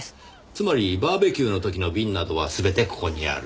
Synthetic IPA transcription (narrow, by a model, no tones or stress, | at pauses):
t͡sɨmaɾʲibaːbe̞kʲɨːno̞t̪o̞kʲino̞bʲĩnːad̪o̞β̞asɨbe̞t̪e̞ko̥ko̞ɲ̟ḭa̰ɾɯ̟